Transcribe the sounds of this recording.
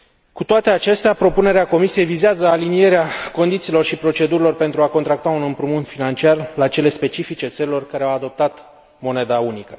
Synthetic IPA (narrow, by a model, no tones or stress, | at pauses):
kut̪oat̪e̞at͡ʃe̞st̪eapɾo̞pune̞ɾeako̞misije̞jvizeazəalinije̞ɾeako̞nd̪it̪silo̞rʃipɾo̞t͡ʃe̞d̪uɾilo̞rpe̞nt̪ɾuako̞nt̪ɾak̚t̪aunɨmpɾumunfinant͡ʃiarlat͡ʃe̞le̞spe̞t͡ʃifit͡ʃe̞t̪səɾilo̞rkaɾeawad̪o̞p̚t̪at̪ | mo̞ne̞d̪aunikə